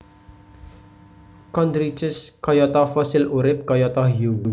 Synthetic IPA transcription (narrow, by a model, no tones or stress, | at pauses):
kɔnd̪ɾit͡ʃɪskɔjɔt̪ɔfɔsɪluɾɪp̚kɔjɔt̪ɔhjuɡu